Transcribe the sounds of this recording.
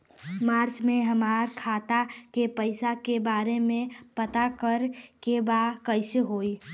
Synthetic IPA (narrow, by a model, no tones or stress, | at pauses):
maːɾt͡ʃmẽɦəmaːɾkʰaːt̪akepəɪsakebaːɾemẽpət̪akəɾkebaːkəɪseɦoːi